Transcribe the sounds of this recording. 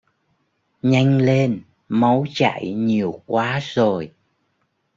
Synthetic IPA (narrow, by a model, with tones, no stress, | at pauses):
ɲa˧jŋ̟le˧n | ma˨˦wt͡ɕa̰˧˨jɲi˨˩əwkwaː˨˦zo˨˩j